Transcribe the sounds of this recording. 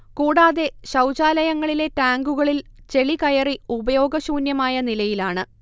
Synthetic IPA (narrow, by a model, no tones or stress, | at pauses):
kuːɽaːðe̞ɕɐwt͡ɕaːlɐjɐŋːɐɭile̞taːŋɡuɣɐɭilt͡ɕe̞ɭikɐjɐriubɐjo̞ːɡɐɕuːnjɐmaːjɐnilɐjilaːɳɨ